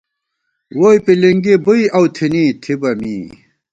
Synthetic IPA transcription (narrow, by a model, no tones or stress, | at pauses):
woːjpiliŋɡibujɐwt̪ʰinit̪ʰibɐmḭː